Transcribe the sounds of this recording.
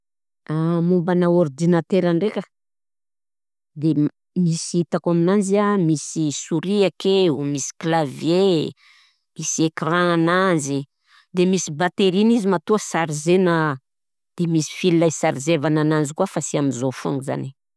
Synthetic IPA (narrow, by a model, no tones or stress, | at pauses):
amumbanaoɾd̪inat̪eɾanrekə̥ | d̪e | misiit̪akaminanziamisisuɾiakeumisi̥klavje | misiekrãananzi | d̪emisibat̪eɾinizimat̪uasaɾizena | d̪̥emisi̥filːajsaɾizevanananzikuafasiamizofuŋɡuza̰ni